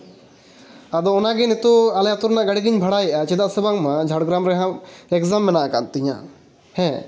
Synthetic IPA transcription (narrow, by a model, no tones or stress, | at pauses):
ad̪ɔʊnaɡinit̪oɐljat̪uɾnaʔɡaɽiɡiɲbʱɐɽajiʔat͡ʃid̪aʔsebaŋmãd͡ʒʱaɽɡɾamɾɛɦãɛkzamːɛnaʔkant̪iɲã̰ | hɛ̃